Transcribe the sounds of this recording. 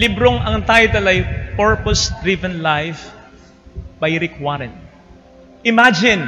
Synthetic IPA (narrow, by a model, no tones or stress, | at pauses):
lɪbɾoŋɐŋt̪aːjot̪ɐlɐjpɛɹposd̪ɹivɛ̃nlajf | bajɾɪkwaɾɛ̃n | ʔɪmad͡ʒɪ̃n